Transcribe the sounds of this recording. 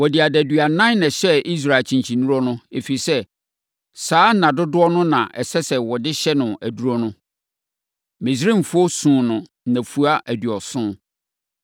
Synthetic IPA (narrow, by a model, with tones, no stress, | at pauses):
wɔ˨dɪ˨a˨dæ˨dɥa˨nã˦n˦nɛ̃˨ɕɛ˦i˦s̬ɾa˨e˨t͡ɕʰĩ˨ɲt͡ɕʰĩ˨nũ˦ɾɔ˦nʊ̃˦e˨fi˨sɛ˦ | saː˦nã˨dʊ˦dʊ˦ɔ˦nʊ̃˦nã˨ʔɛ˨sɛ˦sɛ˨wɔ˨dɪ˦ɕɛ˦nʊ̃˨æ˨du˦ɾɔ˦nʊ̃˦ | mɪ̃˨s̬ɾĩ˦˨m̩˨fʊ˦ɔ˦sũː˨nʊ̃˨ | næ̃˨fu˦a˦ʔæ˨dɥɔ˨sʊ̃˦